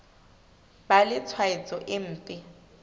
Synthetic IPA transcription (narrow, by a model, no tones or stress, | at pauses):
balɪt͡sʰwait͡sʼɔʔɪn̩ːtʼɪ